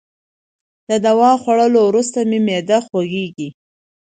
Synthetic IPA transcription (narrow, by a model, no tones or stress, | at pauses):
d̪əd̪awɑxwaɽəlowɾust̪amemed̪axwaɡeɡi